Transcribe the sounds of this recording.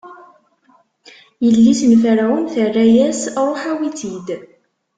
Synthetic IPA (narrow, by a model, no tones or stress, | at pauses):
jəlːisənfəɾaʕənθərːæjæsæɾˤoħawit̪id̪